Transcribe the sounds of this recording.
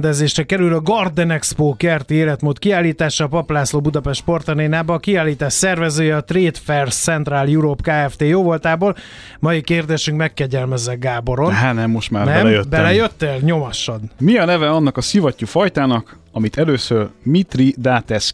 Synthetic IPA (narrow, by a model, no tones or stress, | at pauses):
nd̪ɛzeːʃrɛkɛɾylɒɡɒrd̪ɛnɛkspoːkɛrt̪ieːlɛt̪moːt̪kiaːlːiːt̪aːʃɒːpɒplaːsloːbud̪ɒpɛʃt̪po̞rt̪ɒneːnaːbɒːkiaːlːiːt̪aːʃsɛrvɛzøːjɛɒt̪reːt̪fɛrssɛnt̪raːljuɾopkaːɛft̪eːjoːvo̞lt̪aːboːl | mɒjikeːrd̪eːʃyŋkmɛkːɛɟɛlmɛzːɛɡ̚ɡaːbo̞ɾo̞nɦaːnɛmːo̞ʃt̪maːbnɛmɛjøbɛlɛjøt̪ːeːlɲo̞mɒʃɒd̪miɒnɛvɛɒnːɒkɒsivɒcːufɒjt̪aːnɒk | ɒmit̪ɛløːsørmit̪rid̪aːt̪ɛs